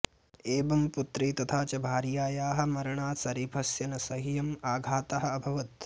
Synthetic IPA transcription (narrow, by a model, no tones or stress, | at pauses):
eːbɐmput̪ɾiːt̪ɐt̪ʰaːt͡ʃɐbʱaːɾjaːjaːɦɐ̆mɐɾɐɳaːsɐɾiːpʰɐsjɐnɐsɐɦijɐmaːɡʱaːt̪ɐɦɐ̆ɐbʱɐʋɐt̪